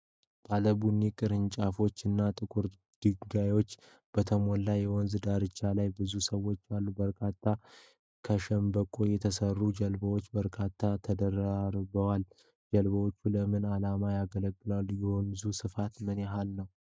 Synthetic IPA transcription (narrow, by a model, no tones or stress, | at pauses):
b̥aləbunikʼɨɾɨɲt͡ʃʼafo̞t͡ʃːɨnːat̪ʼɨkʰʼuɾ | d̪̥ɨɡajo̞t͡ʃː | b̥ət̪ʰəmo̞nlajːɛwɔnzd̪aɾɨt͡ʃʰːalajbɨzusəwːo̞t͡ʃːalːubəɾkʰat̪ʰːa | kʰəʃɛmbəkʼojɛt̪ʰəsərːud͡ʒəlbəwo̞t͡ʃːbəɾkʰat̪ʰːat̪ʰəd̪əɾəaɾbəwal | d͡ʒəlbəwo̞t͡ʃːuləmɨnalamajaɡələɡːɨlaljɛwɔnzusɨfat̪mɨnjɛɦalnəw